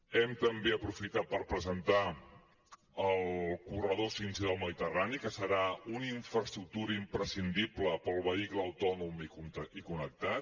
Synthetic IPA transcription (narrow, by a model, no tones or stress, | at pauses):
ɛmt̪əmbeəpɾufit̪at̪̚pəɾpɾəzənt̪a | əlˠkurəðosinsiðəlˠməðit̪əranikəsəɾauniɱfɾəst̪ɾuk̚t̪uɾəimpɾəsind̪ipləpəlˠβəikləːwt̪ɔnumikunt̪ikunək̚t̪at̪